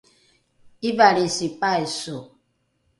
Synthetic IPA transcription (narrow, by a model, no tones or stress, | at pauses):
ibaɾisipaeso